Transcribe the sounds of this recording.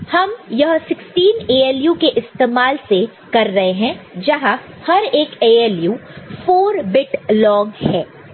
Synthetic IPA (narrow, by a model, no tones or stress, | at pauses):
hɐmjɐɦsɪksʈiːneːeːljuːkeʔɪst̪eːmaːlse | kɐɾːɐɦeɦɛ̃d͡ʒɐɦa | hɐɾeːkeːeːljuːfoːɾbɪʈlɔːɡhɛ̃ː